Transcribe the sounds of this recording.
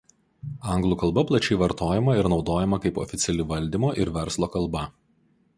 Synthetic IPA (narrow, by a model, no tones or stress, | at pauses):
ɐŋɡlˠuːkɐlˠbɐplˠɐt͡ʃʲɛɪʋɐɾt̪oːjɛmɐɪɾnɒʊd̪oːjɛmɐkɐɪpɔ̰fʲɪt̪sʲɛlʲɪʋɐlʲd̪ʲimoːʔɪɾʋʲɛɾslˠoːkɐlˠbɐ